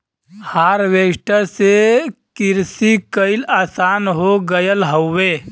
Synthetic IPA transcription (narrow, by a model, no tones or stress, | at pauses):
haːɾʋeːʈəsekɪɾsikəɪlaːsaːnɦoɡəjəlɦəːeː